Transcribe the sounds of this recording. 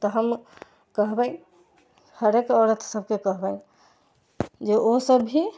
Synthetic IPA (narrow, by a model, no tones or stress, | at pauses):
t̪əɦəm | kəɦbə̃ | həɾekɔɾət̪ʰsəb̚kekəɦbə̃ | d͡ʒeʔosəbʱɦi